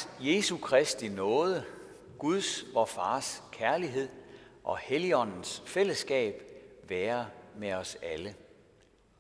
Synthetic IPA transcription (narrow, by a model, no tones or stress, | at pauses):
je̝sukʰʁɛsd̥inɔ̽ːð̞ˠə | ɡ̥uð̞ˠsʋɒfɑ̈ːskʰæɐliɦe̝ð̞̰ˠʔɒ̽heliɒ̽n̰n̩sfel̰əsɡ̥ɛ̰ːb̥ʋæːɐmeɒ̽sælə